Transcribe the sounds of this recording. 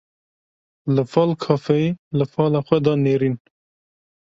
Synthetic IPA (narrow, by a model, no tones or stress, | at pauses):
ləfɑlkʰɑːfeiləfɑːlaxwed̪ɑneːɾiːn